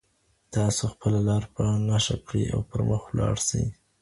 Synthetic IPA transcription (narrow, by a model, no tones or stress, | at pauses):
t̪ɑsoxpəlalɑɾpənɑʃakɽiʔa̰wpəɾməxwlɑɽsə̰j